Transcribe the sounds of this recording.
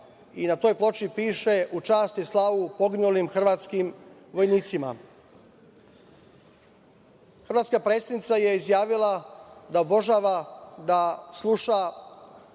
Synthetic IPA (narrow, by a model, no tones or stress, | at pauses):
inat̪o̞ːjplˠo̞t͡ʃipiːʃeʔut͡ʃaːst̪islˠaʋupo̞ɡinulimxr̩ʋaːt̪skim | ʋo̞jniːt̪sima̰ | xr̩ʋat̪skapɾet̪st̪ad̪nit̪sajeizjaːʋilˠad̪aobʒaːʋad̪aslˠuʃa